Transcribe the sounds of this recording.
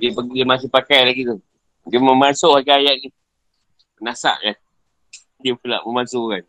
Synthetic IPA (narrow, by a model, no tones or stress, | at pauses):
diəpdiəmasɪpakajlaɡit̪u | dəməmasoʔkakajaʔnĩ | pənasa̰ʔja | diəfula̰ʔməmasokan